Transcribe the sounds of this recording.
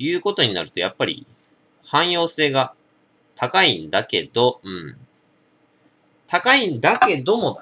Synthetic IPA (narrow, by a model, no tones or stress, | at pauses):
jɯ̟ːko̞t̪o̞ɲ̟ina̰ɾɯ̟t̪o̞ja̰pːaɾʲḭ | hãɰ̃jo̞ːse̞ːɡa | t̪ʰakaĩnd̪ake̞̰d̪o̞ɯ̟̃ɴ | t̪ʰakaĩnd̪ake̞d̪o̞mod̪